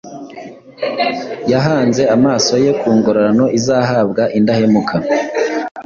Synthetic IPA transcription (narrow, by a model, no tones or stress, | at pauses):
jaɦaːnze̞amaːso̞je̞kuːŋɡoɾaɾano̞ʔizaɦaːb̚ɡaʔindahe̞mukʰa